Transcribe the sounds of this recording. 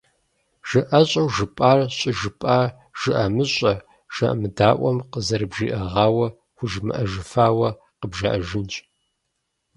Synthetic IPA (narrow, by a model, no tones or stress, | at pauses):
ʒ̥ɨʔɐɕʼɐwʒɨpʼaːrɕʼɨʒɨpʼaːr | ʒ̥ɨʔɐmɨɕʼɐ | ʒ̥ɐʔɐ̰mɨdaːʔʷɐmqəzɐɾɨbʒḭːʔɐʁɑːwɐ | xʷʊʒmɨ̰ʔɐʒɨfaːwɐ | qəbʒɐʔɐʒɪnt͡ʃʼ